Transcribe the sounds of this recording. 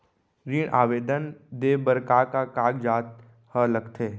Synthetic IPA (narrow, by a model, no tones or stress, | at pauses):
ɾiːɳʔaːʋeːd̪ənd̪eːbəɾkaːkakaːɡd͡ʒaːt̪̚ | hələɡt̪ʰeː